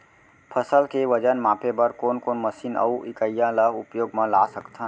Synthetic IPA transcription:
pʰəsəlkeʋəd͡ʒənmaːpʰebəɾkoːnkoːnməsiːnə̰uʔikəjːãləʊpjoːɡmə̃lasəkt̪ʰa

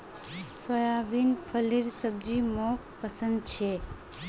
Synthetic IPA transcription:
səjaʋinfʰəliɾsəb̚d͡ʒimo | pəsə̃nd̪̚t͡ʃʰe

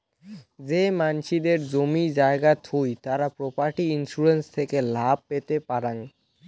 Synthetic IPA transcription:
d͡ʑemanʃid̪eɾd͡ʑomid͡ʑaeɡat̪ʰujt̪aɾapɾopaɾʈiinʃuɾenst̪ʰekelab̚pet̪epaɾan

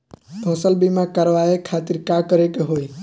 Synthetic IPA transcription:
bʱõːsəlbimãkəɾʋaekʰaːt̪ɪɾkakəɾekeɦoːi

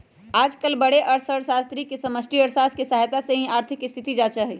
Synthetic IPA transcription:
aːd͡ʒkəlbəɽeʔəɾsəɽsaːst̪ɾikesəməsʈɾiəɾsaskesəɦajt̪aseɦĩaːɾt̪ʰɪkɪst̪ʰit̪id͡ʒat͡ʃaɦɛi

